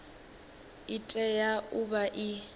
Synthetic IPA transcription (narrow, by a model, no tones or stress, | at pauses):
itʼɛjaubaʔi